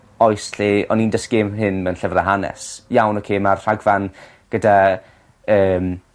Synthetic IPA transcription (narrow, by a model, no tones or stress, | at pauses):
ɔjsɬiɔ̰nindəskemɦɨnmɛnɬɛvraɦanɛ̰sjawnɔkʰeːmarr̥aɡvan | ɡ̥əda | əːm